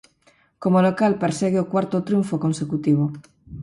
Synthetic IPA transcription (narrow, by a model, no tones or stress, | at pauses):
komolokalpeɾseɣeokwaɾt̪ot̪ɾjuɱfokonsekut̪iβ̞o